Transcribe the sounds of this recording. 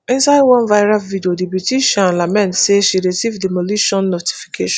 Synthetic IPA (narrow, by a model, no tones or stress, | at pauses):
ɛ̃nsaɪwɔ̃nvajɹasvidiodibutiʃɔ̃nãlamɛ̃ntseʃiɹisivdimoliʃɔ̃nːoti̥fi̥kʰeʃɔ̃